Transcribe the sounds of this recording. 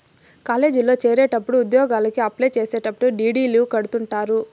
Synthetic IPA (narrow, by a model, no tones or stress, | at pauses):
kaːle̞ːd͡ʒilo̞ːt͡ʃeːɾeːʈɐpːuɽuːd̪jɔːɡaːlɐkiɐplejt͡ʃeːse̞ːʈɐpːuɽuɖiːɖiːlukɐɽut̪uɳʈaːɾu